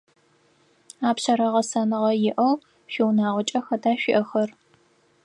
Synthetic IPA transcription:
aːpɕɐɾɐʁɐsɐnɨʁɐjɪʔɐw | ʃɪwnaːʁʷʊt͡ʃʼɐxɐdaːʃʷɪʔɐxɐr

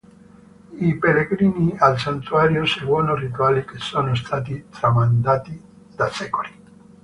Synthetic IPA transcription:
ipeleɡɾinialsant̪uaɾjoseɡwɔnorit̪̬ualikesonoest̪at̪̬it̪ɾamand̪at̪i | d̪asɛkoli

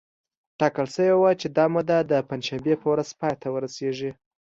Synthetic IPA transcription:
ʈɑkəlsəwewat͡ʃed̪ɑmud̪ad̪əpand͡ʒʃambepʰəwɾazpɑjt̪ʰawəɾaseʐi

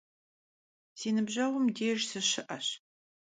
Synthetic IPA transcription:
siːnɨbʑɐʁʷʊmdeːʒsɨɕɪʔɐɕ

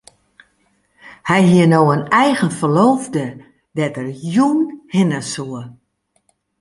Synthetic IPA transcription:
hɛjɦiənoːənɛjɣənfərloːvdə | dɛtərjunhɪnəsuə

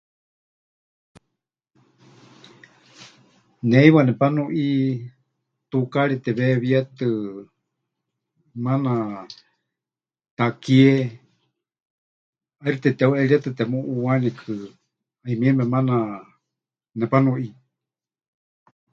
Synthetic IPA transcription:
nɛiwanɛpanũʔi | t̪ukaɺit̪ɛβɛβiɛt̪ɨ | mana | t̪akiɛ | aiɾt̪ɛt̪ɛuʔɛɺiɛt̪ɨt̪ɛmũʔuwanikʰɨ | aimĩɛmɛmana | nɛpanũʔi

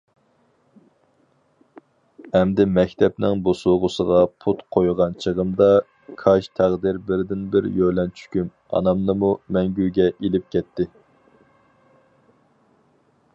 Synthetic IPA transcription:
ɛmd̪ɪmɛkʲt̪ʰɛp̚nɪŋbosoʁʊsəʁɑpʰut̪qʰojʁɑnt͡ʃʰəʁəmd̪ɑ | kʰɑʃt̪ʰæʁd̪ɪɾbɪɾd̪ɪnbɪɾjølɛnt͡ʃʰy̥kʲym | ɑ̰nɑmnɨmumɛŋɡʲyɡʲɛʔelɪp̚kʲʰɛt̪ʰːɪ

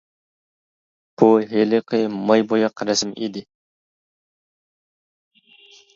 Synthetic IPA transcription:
b̥uɦelɪqʰɨmɑjbojɑqʰɾæsɪmḛd̪ɪ

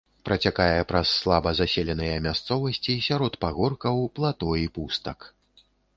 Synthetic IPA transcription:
pɾɐt͡sʲakajɛpɾɐsːlˠabɐzasʲelʲɛnɨjɐmʲast̪sɔvɐsʲt͡sʲisʲaɾɔt̪paɣɔrkɐwplˠat̪ɔipust̪ɐk

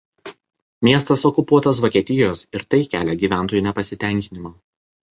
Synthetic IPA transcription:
mʲiɛst̪ɐsɔkʊpuɔt̪ɐsʋɔkʲiɛt̪ʲɪjoːsɪɾt̪ɐɪkʲæːlʲɛɡʲiːʋʲæˑnˑt̪oːjuˑnʲɛpɐsʲɪt̪ʲæˑŋʲkʲɪnʲɪmɑː

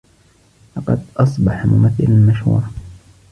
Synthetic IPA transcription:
lɑqɑd̪ʔɑsˤbɑħmʊmaθːɪlalmaʃhṵːɾˤ

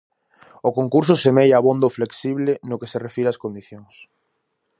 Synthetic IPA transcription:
okoŋkuɾs̬ʊsemejaβond̪ofleksiβlenokeserefiɾaskond̪iθjoŋs

